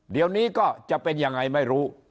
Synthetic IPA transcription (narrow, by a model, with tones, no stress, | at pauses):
di˧əwniː˦˥kɔː˥˩t͡ɕa˨˩ʔpe˧nja˧ŋːa˧jma˥˩jɾuː˦˥